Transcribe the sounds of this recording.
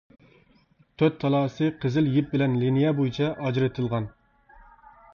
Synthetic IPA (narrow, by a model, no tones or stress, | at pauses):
t̪ʰøt̪ʰːɑlˠɑːsɨqʰəzɪljɪp̚bɪlɛnlinijɛbojit͡ʃʰɛʔɑd͡ʒɾɨt̪ʰɨlˠʁɑn